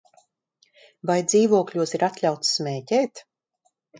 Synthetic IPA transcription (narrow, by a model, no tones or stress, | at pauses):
vajd̪ziːvuɔklʲuɔsiɾat̪lʲawt̪sːmʲɛːcɛːt̪